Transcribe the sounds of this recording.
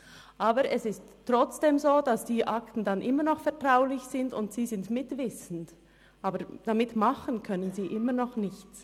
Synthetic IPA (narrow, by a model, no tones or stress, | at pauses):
ʔaːbəɾʔɛsɪstːʁ̥ɔt͡sd̥eːmzoːd̥asd̥iːʔaktn̩danʔɪmənɔχfɛɐtʁ̥aʊlɪçz̥ɪndʊ̰ntz̥iːzɪntmɪtv̥ɪsn̩d | ʔaːbəd̥amɪtmaχənkʰœnənziːʔɪmənɔχnɪçt͡s